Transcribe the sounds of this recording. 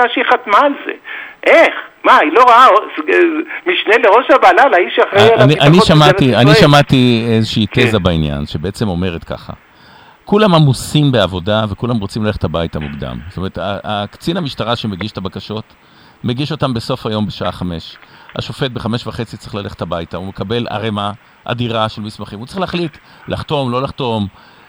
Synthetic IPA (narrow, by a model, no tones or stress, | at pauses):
aʃiχat̪maːlzḛʔeχmailoʁaaosmiʃneleʁoʃabalalaiʃaχʁeaniʔaniʃamaianiʃamat̪iezeʃiːt̪ezabainja̰nʃebeet͡se̞mo̞me̞ʁet̪ka̰χa̰ | kulamamusimbeavo̞davekulamʁot͡simlaleχetabajtamuɡd̪a̰mstomeʁetaakt͡sinamiʃtaʁaʃemeɡiʃt̪abakaʃo̞t | meɡiʃo̞tambeso̞fhajo̞mbeʃaa̰χame̞ʃha̰ʃo̞fe̞t̚beχame̞ʃvaχe̞t͡sitt͡sʁiχlale̞χe̥thabajtaume̞kabe̞la̰ʁema | ʔa̰diʁaʃelmismaχimut͡sʁiχleaχlit | laχto̞mlo̞laχt̪o̞m